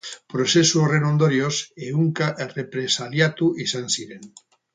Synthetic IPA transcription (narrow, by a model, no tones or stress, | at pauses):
pɾosesurenõnd̪oɾjoseuŋkaʔrepɾesaljat̪uʔisansiɾen